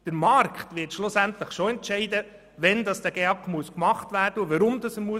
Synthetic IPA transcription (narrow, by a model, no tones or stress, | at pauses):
d̥əɾmɑɾkχtʋɪtʃlʊsæntləχʃoɛntt͡ʃɛɪdə | ʋɛndɑsd̥æɡ̥eɑkχmuəskmɑχtvæːɾd̥əʊʋɑɾʊmdɑsəmuə